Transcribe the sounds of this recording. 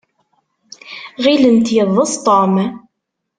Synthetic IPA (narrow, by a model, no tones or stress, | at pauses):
ʁilənt̪jəðˤəst̪ˤɔm